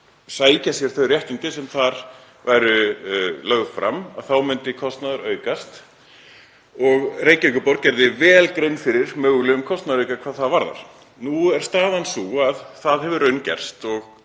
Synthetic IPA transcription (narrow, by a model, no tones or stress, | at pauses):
saːjcasjɛɾ̥θœɥrjɛht̪int̪ɪsɛmθaɾ | vajɾʏlœɣfɾa̰mːa̰ðθawmʏnt̪ɪkʰɔst̪naðʏɾœːɥkast̪ | ɔɣreːjcʏjkʏpɔɾt̪̚cɛɾðɪvɛːlkɾeɥnfɪɾɪɾ̥mœːɣʏlʏʏmkʰɔst̪naðɾœːɥkakʰv̥aːðθaðvaɾða̰ɾ̥ | nuɛɾ̥st̪aːðansuaðθaðɦɛvʏɾœɥncɛ̰r̥st̪ɔɣ